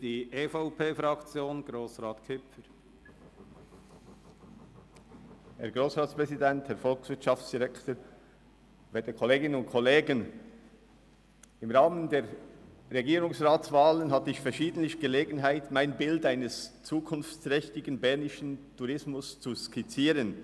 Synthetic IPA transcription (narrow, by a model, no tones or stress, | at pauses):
d̥iːʔeːfaʊpʰeːfɾɑkt͡sjoːnɡ̥ɾoːsʁaːtkʰʏpəɾ | hɛ̰ɐɡʁoːsʁaːtspʁ̥ɛzidɛnthɛːɐfɔlksv̥ɪtʃɑft͡sd̥iʁɛktoː | vɛtəkʰɔleːɡɪnənʊntkʰɔleːɡən | ɪmʁaːməndeːʁ | ɾeɡiːɾʊŋsʁaːt͡sv̥aːlənɦatəɪçfɛɐʃiːdən̩tlɪçɡ̥əleːɡənɦaɪtmaɪnbɪldaɪnəst͡suːkʰʊnft͡sʁɛçtɪɡənbɛnɪʃən̩tʰuɾɪsmʊst͡suskɪt͡siːɾən